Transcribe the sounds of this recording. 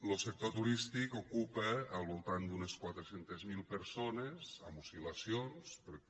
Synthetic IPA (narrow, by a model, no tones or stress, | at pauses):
losek̚t̪ot̪uɾist̪ikokupəːlˠβolˠt̪and̪uneskwat̪ɾesent̪ezmilˠpeɾsonesa̰musilasjonspɾ